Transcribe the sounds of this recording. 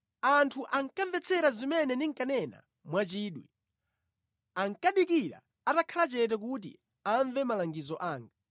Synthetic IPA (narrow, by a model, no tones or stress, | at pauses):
antʰuʔaŋkaɱvɛt͡sʰɛɾazimɛnɛniŋkanɛna̰ | mwat͡ʃiːɗwi | aŋkaɗikiɾa̰ | atakʰalat͡ʃɛt̬ɛk̬ut̬ḭ | aɱvɛmalaŋɡizɔʔaːŋɡa